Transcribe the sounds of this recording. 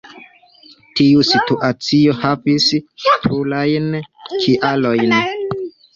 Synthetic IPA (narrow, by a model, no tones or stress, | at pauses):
tiusituʔat͡sio̞havispʰɾulajnkʰiʔalo̞jn